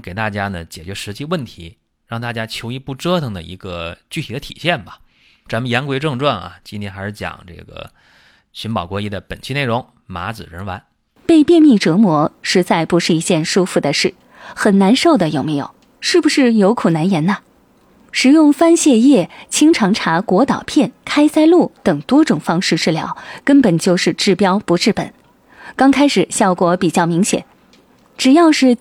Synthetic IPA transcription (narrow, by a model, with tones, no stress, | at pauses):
ke˨˩ɪt̪a˥˩t͡ɕja˥nə˨˩t͡ɕjɛ̰˨˩t͡ɕɥɛ˧˥ʂɻ̩˧˥t͡ɕi˥˧wə˥˩nt̪ʰi˧˥ | ɻɑ˥˧ŋt̪a˥˩t͡ɕja˥t͡ɕʰjo˧˥ʊi˧˥˧pu˥˩ʈ͡ʂɤ˥t̪ʰɤ˧˩ŋd̪ə̰˧ḭ˧˥ɡə˧t͡ɕy˥˩t̪ʰi˨˩d̪ə˦t̪ʰḭ˨˩ɕjɛ˥˩nbɐ˩ | t͡sa˧˥nmə˧jɛ˧˥nkwe˧˥ɪʈ͡ʂɤ˥˧ŋʈ͡ʂwa˥˩nɐ̰˨˩t͡ɕi˥nt̪ʰjɛ˥nxa˧˥ɪʂɻ̩˥˩t͡ɕjɑ̰˨˩ŋʈ͡ʂɤ̰˥˩ɡə̰˩ | ɕy˧˥npɑ˨˩ʊkwɔ˧˥i˥˩d̪ə˧pə˨˩nt͡ɕʰi˥˧ne˥˩ɪɻʊ˧˥ŋ | ma̰˧˥d͡zɹ̩˨˩ɻə˧˥nwa˧˥n | pe˥˧ɪpjɛ˥˧nmi˥˩ʈ͡ʂɤ˧˥mwɔ˧˥ʂɻ̩˧˥t͡sa˥˩ɪpu˧˥ʂɻ̩˥˩i˧˥t͡ɕjɛ˥˧˩nʂu˥fu˧˩d̪ə˨ʂɻ̩˥˩ | xə˨˩nna˧˥nʂo˥˩ʊd̪ə˩jo˨˩ʊme˧˥ɪjo̰˨˩˦ʊ | ʂɻ̩˥˩bu˩ʂɻ̩˥˩jo˧˥ʊkʰu˨˩na˧˥njɛ˧˥nnə˧ | ʂɻ̩˨˩jʊ˥˩ŋfa˥nɕjɛ˥˧jɛ˥˩t͡ɕʰi˥ŋʈ͡ʂʰɑ˧˥ŋʈ͡ʂʰa˧˥kwɔ˧˥t̪ɑ˨˩ʊpʰjɛ˥˩nkʰa˥ɪsa˥ɪlu˥˩t̪ɤ˨˩ŋt̪wɔ˥ʈ͡ʂʊ˨˩ŋfɑ˥ŋʂɻ̩˥˧ʈ͡ʂɻ̩˥˩ljɑ̰˧˥ʊkə˥npə˨˩nt͡ɕjo˥˧ʊʂɻ̩˥˧ʈ͡ʂɻ̩˥˩pjɑ˥ʊpu˧˥ʈ͡ʂɻ̩˥˩pə̰˨˩˦n | kɑ˥ŋkʰa˥ɪʂɻ̩˨˩ɕjɑ˥˩ʊkwɔ˧˥pi˨˩t͡ɕjɑ˥˩ʊmi˧˥ŋɕjɛ̰˨˩˦n | ʈ͡ʂɻ̩˨˩jɑ˥˧ʊʂɻ̩˥˩